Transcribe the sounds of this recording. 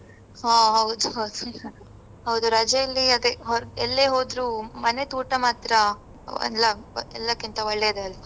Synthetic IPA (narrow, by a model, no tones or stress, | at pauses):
ɦaɦɐwud̪uɦɐwd̪u | hɐwd̪uɾɐd͡ʒɐɐlːiɐd̪eɦɔɾɛlːeːɦoːd̪ɾuːmɐne̞t̪uːʈɐmaːt̪ɾɐ | ɐ̰lːɐɛ̰lːɐkint̪ɐʋɐɭːeid̪eɐlːɐ